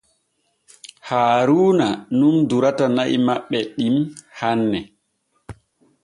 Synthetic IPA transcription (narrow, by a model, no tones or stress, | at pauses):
haːɾuːnanunduɾatanaʔḭmaɓːɛɗimhanːɛ